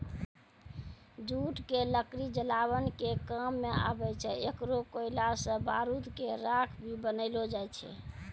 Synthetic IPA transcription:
d͡ʒuʈkeləkɾid͡ʒəlaβənkekəmːea̰bɛt͡ʃʰɛekɾokoilasə̃baɾud̪keɾakʰbʱibənəɪlod͡ʒajt͡ʃʰɛ̰

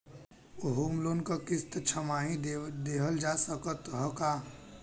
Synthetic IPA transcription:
ʊɦuːmloːnkakɪst̪t͡ʃʰəmaːɦĩd̪eːɦəld͡ʒasəkət̪ɦɔkaː

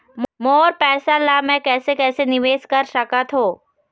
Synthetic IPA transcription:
mmoːɾpɛːsalamɛ̃kɛːsekɛːsenɪʋeːskɐɾsɐkat̪ʰɦoː

